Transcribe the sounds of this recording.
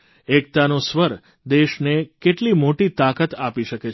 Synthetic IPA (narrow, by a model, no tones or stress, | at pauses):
ek̚t̪anosʋəɾ | d̪eʃnekeʈlimoʈit̪akət̪apiʃəke